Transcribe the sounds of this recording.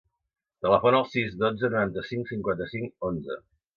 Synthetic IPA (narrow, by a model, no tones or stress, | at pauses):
t̪ələfonəlˠsizd̪od͡zənuɾant̪əsiŋksiŋkwant̪əsiŋkonzə̰